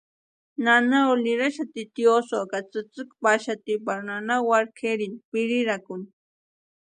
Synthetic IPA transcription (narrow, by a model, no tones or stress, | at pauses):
nanaoliɾaʃat̪it̪iosokat͡sɨt͡sɨkpaʃat̪ipaɾnanawaɾkʰeɾinpɪɾiɾakʊn